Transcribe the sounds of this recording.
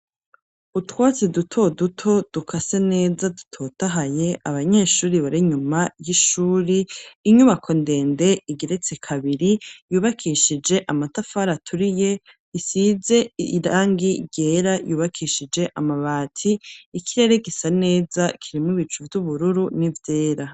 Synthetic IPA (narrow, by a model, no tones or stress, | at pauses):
utwaːt͡sidutʰo̞dutʰo̞d̥ukʰase̞ne̞ːzadutʰo̞taɦaje̞aβaɲe̞ːʃuːɾiβaɾiɲumajiʃuːɾiːɲuβakʰo̞nde̞ːnde̞iɡiɾet͡se̞kʰaβiɾijuːβakʰiʃid͡ʒe̞ʔamatafaɾatʰuɾije̞ | isize̞ɾaːŋɡiɾɟe̞ːɾajuːβakʰiʃid͡ʒe̞ʔamaβaːtʰiːkʰiɾe̞ɾe̞ɡisane̞ːzakʰiɾimiβit͡ʃuvjuβuɾuɾunivje̞ːɾa